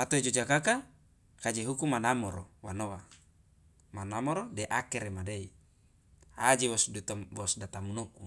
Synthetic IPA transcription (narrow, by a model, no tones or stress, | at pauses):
at̪oid͡ʒod͡ʒakaka | kad͡ʒeɦukumanamɔɾɔwanowa | manamɔɾodɛʔakɛɾemadei | ad͡ʒewɔswɔsdat̪amunoku